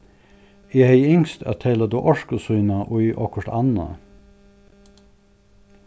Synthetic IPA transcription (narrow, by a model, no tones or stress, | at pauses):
iːheɪɪŋst̪ʰæ̰t̪ʰeːlɑd̪uːʔɔʃkəsʉʏnɑʔoːiːʔɔkəʈɑnɑ̰